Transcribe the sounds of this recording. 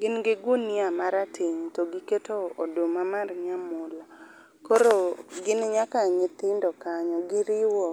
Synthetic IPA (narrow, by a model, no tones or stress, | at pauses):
ɡɪnɡɪɡuniamaɾatʰɪɲtɔɡiketoodomamarɲamʊla | koɾoɡɪnɲakaɲɪt̪ɪndɔkaɲɔɡɪɾɪwɔ